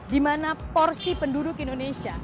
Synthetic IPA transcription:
dimanapɔrsipəndudʊkindonesia

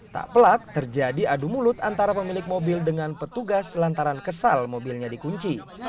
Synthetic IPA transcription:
t̪a̰ʔpəlak̚t̪ərd͡ʒadiadumulʊt̪ant̪aɾapəmilɪk̚mobɪldəŋanpət̪uɡaslant̪aɾankəsa̰lmobilɲadikuɲt͡ʃi

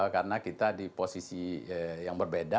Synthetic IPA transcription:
kaɾənakit̪adiposisijaŋbərbeda

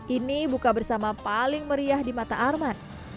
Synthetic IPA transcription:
ʔinibukabərsamapalɪŋməɾiahdimat̪a̰ʔarman

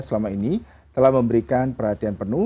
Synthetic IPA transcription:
səlamaini | t̪əlahməmbəɾikanpərhat̪ianpərnu

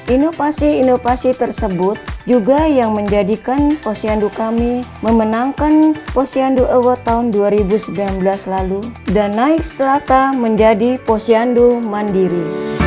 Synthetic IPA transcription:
ʔinofasiːnofasit̪ərsəbʊt̪̚d͡ʒuɡajaŋməɲd͡ʒadikanposiandukamiməmənaŋkanposianduʔəwat̪aɦunduaɾibusəbilanbəlaslaludanːaɪkst͡ʃəlakaməɲd͡ʒadiposiandumandiɾi

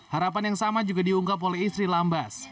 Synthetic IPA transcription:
haɾapanjaŋsamad͡ʒuɡadiuŋkapolɛhist̪ɾilambas

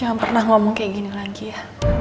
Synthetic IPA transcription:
aŋanpərnahŋɔmɔŋkajaʔɡinilaɡija

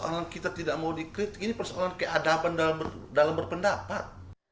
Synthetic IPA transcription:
ʔa̰lankit̪at̪idaʔmaudikɾɪt̪̚inipərsɔalankəʔadabandalambərdalambərpəndapa̰t̪̚

